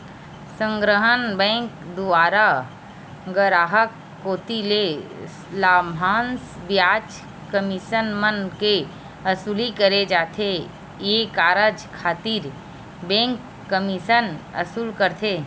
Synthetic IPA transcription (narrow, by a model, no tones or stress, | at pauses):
sə̃ŋɡɾəɦənbɛ̃ːŋkd̪uaːɾa | ɡəɾaːɦəkːoːt̪ileslaːmʱãːnsbjaːt͡ʃ | kəmiʃənmənke | əsulikəɾed͡ʒaːt̪ʰe | jekaːɾəd͡ʒkʰaːt̪iːɾ | bẽːŋkː | əmiʃənɐ̰suːlkəɾt̪ʰe